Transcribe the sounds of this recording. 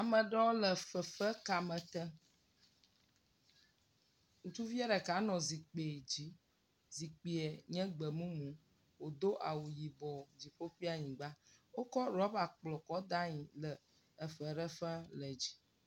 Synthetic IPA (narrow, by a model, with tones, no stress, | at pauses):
a˨mə̃˨ɖɾɔ̃˦lə˨fə˨fə˦ka˨mə̃˨t̪ə˦ | ŋũ˨t͡ʃu˦vi˦ɛ˦ɖɛ˨ka˨˦nɔ̃˨zi˨k͡pe˨d͡ʑi˦ | zi˨k͡pi˨ɛ˨ɲɛ̃˦ɡ͡bə˨mũ˦mũ˨ | wo˨d̪o˦ʔa˨wu˨ji˨bɔ˨d͡ʑi˨ɸo˦ɸi˦a˦ɲĩ˨ɡ͡ba˦wo˦kɔ˦ɾa˦ba˨k͡plɔ˨kɔ˦d̪a˦ɲĩ˨lə˨ | ə˨fə˨ɖə˦fə˦lə˨d͡ʑi̥˦